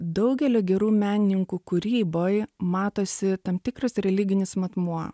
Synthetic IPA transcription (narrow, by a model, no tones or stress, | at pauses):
d̪ɐʊɡʲɛlʲoːɡʲɛɾuːmʲæːnʲɪnʲɪŋkuːkʊɾʲiːboːjmɑːt̪oːsʲɪt̪ɐmt̪ʲɪkɾɐsɾʲɛlʲɪɡʲɪnʲɪsmɐt̪muɔ